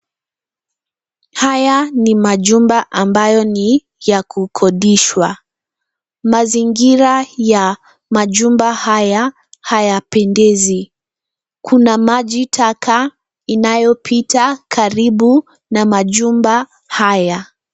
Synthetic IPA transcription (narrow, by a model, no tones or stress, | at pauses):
hajanimaʄumbaʔambajɔni | jakʰukʰɔɗiʃwa | maziŋɡiɾaja | maʄumbahaja | hajapɛndɛzi | kʰunamaʄitʰakʰa | inajɔpʰitakʰaɾiɓu | namaʄumba | haja